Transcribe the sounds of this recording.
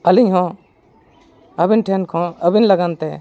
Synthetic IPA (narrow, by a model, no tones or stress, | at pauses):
əlɪɲɦɔ̃ | əbɪnʈʰɛnkʰɔ̃əbɪnlɐɡant̪ɛ